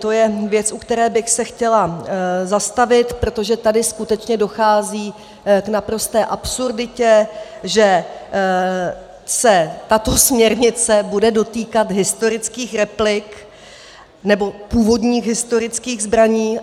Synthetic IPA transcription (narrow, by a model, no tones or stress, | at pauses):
t̪o̞jɛvjɛt͡sʔukt̪ɛɾɛːbɪxsɛxcɛlazast̪avɪt̪pɾo̞t̪o̞ʒɛt̪adɪskut̪ɛt͡ʃɲɛdo̞xaːziː | knapɾo̞st̪ɛːʔapsuɾdɪcɛʒɛ | sɛt̪at̪o̞smɲɛɾɲɪt͡sɛbudɛdo̞t̪iːkat̪ɦɪst̪o̞ɾɪt͡skiːxɾɛplɪk | nɛbo̞puːvo̞dɲiːɣɦɪst̪o̞ɾɪt͡skiːɣzbɾaɲiː